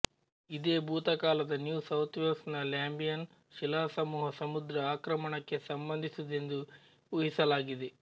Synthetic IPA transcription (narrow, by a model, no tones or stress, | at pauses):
id̪eːbʱuːt̪ɐkaːlɐd̪ɐnjuːsɐwt̪ʰʋelsnɐljaːmbijɐn | ʃilaːsɐmuːɦɐsɐmud̪ɾɐaːkɾɐmɐɳɐkːe̞sɐmbɐnd̪ʱisud̪e̞nd̪u | uɦisɐlaːɡid̪e